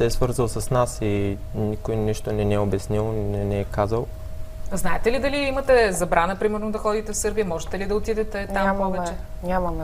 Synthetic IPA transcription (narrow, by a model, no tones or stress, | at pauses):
sɛɛsvɤɾzəlˠsɐsnasi | nikojniʃt̪onɛniɛobɛsnilˠnɛnɛɛkazəlˠ | znaɛt̪ɛlid̪ɐliimɐt̪ɛzɐbɾanəpɾimɛɾnod̪ɐxɔd̪it̪ɛfsɤɾbijəmɔʒɛt̪ɛlid̪ɐot̪id̪ɛt̪ɛt̪ampɔvɛt͡ʃɛ | ɲʲamɐm